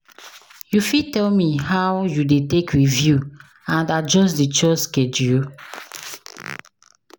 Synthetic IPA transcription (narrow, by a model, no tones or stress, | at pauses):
jufitɛlmihawjudetekɹivju | ãndad͡ʒɔs̬dit͡ʃɔskedju